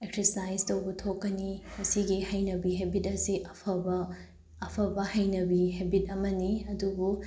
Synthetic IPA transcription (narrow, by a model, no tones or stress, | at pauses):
eksesajstɐwbɐtʰokːɐnimɐsiɡihɐjnɐbiɦebʱitɐsiʔɐpʰɐbɐː | pʰɐbɐhɐjnɐbihebit̚ɐmɐniɐdubu